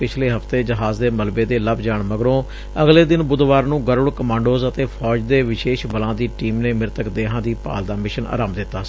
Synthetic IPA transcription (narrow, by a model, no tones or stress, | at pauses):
pɪt͡ʃʰleːɦəft̪eːd͡ʒəɦaːzd̪eːməlbeːd̪eːləbd͡ʒaːɳməɡɾõː | əɡleːd̪ɪnbʊd̪ʋaːɾnũːɡəɾʊɽkəmãːɳɖoːzət̪eːpʰɔːd͡ʒd̪eːʋɪʃeːʃbəlãːd̪iːʈiːmneːmɪɾt̪əkd̪eːɦãːd̪iːpa̰ːld̪aːmɪʃənʔa̰ːɾaːmd̪ɪt̪ːaː